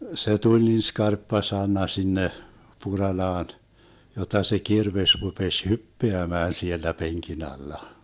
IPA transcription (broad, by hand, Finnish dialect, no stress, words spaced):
se tulʲ niːn skɑrpːɑ sɑnˑɑ sinːe purɑlɑːn jotˑɑ se kirʋesʲ rupesʲ hypːeæmæːn sielːæ peŋkin ɑlːɑ